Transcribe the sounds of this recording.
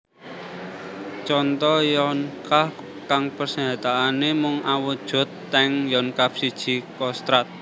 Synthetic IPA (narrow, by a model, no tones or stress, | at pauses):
t͡ʃɔnt̪ɔjɔnkah | kaŋpərsəŋat̪aːnemʊŋawud̥ʒ̥ʊ̤t̪ːɛŋjɔnkap̚sid̥ʒ̥i̤kɔst̪ɾat̪̚